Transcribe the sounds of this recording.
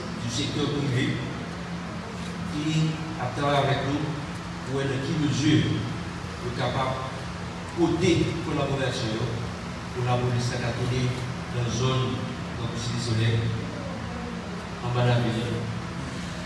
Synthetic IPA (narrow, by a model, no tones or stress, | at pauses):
d̪ysɛk̚t̪œʁpʁive | ki | ap̚t̪avajavɛknũ | puɛləkiməzyʁ | d̪əkapab | kot̪ekolaboʁasjɔ̃jo | pulabolesakat̪ole | d̪ãzon | ɡãkusidesolɛʁ | ãmalamijɛ̃